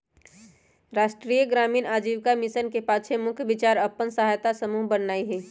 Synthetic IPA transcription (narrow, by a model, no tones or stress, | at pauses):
ɾaːʃʈɾijəɡɾaːmiːnaːd͡ʒiːʋkamɪsənkepaːt͡ʃʰemʊkʰjbɪt͡ʃaːɾəpːənsəɦaːjt̪asəmuːɦbənnaːiɦɛː